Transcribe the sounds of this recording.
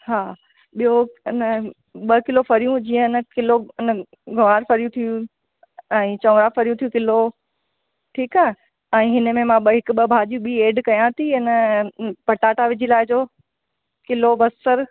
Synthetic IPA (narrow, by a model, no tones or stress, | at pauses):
ɦaː | ɓijoɪnə | ɓɐkɪlofɐɾijũd͡ʑĩːə̃ɪnə̆kɪloɪnə | ɡʱɐʋaːɾfɐɾijũt̪ʰijũ | ɛ̃ːt͡ɕɐ̃ʋɾafɐɾijũt̪ʰijũkɪlo | ʈʰiːkaː | ɛ̃ːɦɪnə̆mẽmãɓəɦɪkʊ̆ɓəbʱaːd͡ʑijũɓieːɖkɐjãt̪ʰiɪnəpɐʈaːʈaʋɪd͡ʑʱilaːɪd͡ʑoː | kɪlobɐsːəɾ